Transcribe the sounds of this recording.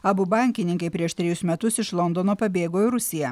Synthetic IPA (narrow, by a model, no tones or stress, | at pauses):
ɐbʊbɑˑŋʲkʲɪnʲɪŋkɐɪpʲɾʲiɛʃt̪ʲɾʲɛjʊsmʲɛt̪ʊsɪʃlˠɔnd̪onoːpɐbʲeːɡoːɪɾʊsʲɪjɛ